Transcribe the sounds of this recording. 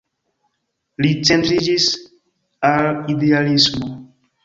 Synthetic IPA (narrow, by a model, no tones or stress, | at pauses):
lit͡sentɾid͡ʒis | alidealismo